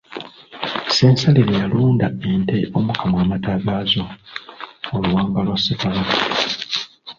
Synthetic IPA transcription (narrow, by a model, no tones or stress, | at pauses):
seːnsaliɾejaluːndae̞nteʔo̞mukamwaːmataːβjaːzo | oluwaːŋɡalwasikaβaa